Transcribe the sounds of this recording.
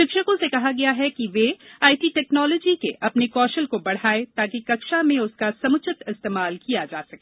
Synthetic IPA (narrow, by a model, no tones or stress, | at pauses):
ʃɪkʃəkõsekɐɦaɡɐjaɦɛkiʋeaːiʈiʈɛːknɔːlɔːd͡ʒikeʔɐpnekɔːʃəlkobɐɽ̤aːet̪aːkikɐkʃamẽʊskasɐmʊt͡ʃɪt̪ɪst̪eːmaːlkijad͡ʒaːsɐkeː